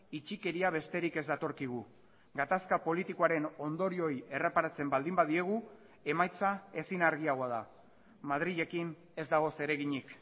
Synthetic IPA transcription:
it͡ʃike̞ɾiaβ̞e̞st̪e̞ɾike̞zd̪at̪o̞ɾkiɣ̞u | ɡat̪askapo̞lit̪iko̞aɾe̞no̞nd̪o̞ɾio̞je̞re̞paɾat͡se̞mbald̪imbaðie̞ɣ̞u | e̞majt͡sae̞sinaɾɣ̞iaɣ̞o̞aða | mað̞ɾiðe̞kin | e̞zd̪aɣ̞o̞se̞ɾe̞ɣiɲik

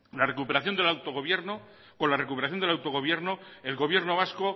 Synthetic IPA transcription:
lare̞kupe̞ɾaθjo̞nd̪elawt̪oɣo̞βjeɾno | ko̞nlare̞kupeɾaθjond̪elawt̪oɣo̞βje̞ɾnoe̞lɣo̞β̞je̞ɾnoβasko̞

